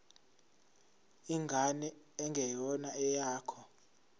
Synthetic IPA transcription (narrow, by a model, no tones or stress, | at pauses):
iŋɡʱanɛ | ɛŋɡʱɛjɔnaɛjaːkʰɔ